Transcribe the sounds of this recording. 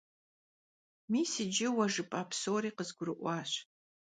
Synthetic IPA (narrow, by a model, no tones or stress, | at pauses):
miːsɪd͡ʒɪwɐʒɨpʼaːpsoːɾiːqəzɡʷʊɾɨʔʷɑːɕ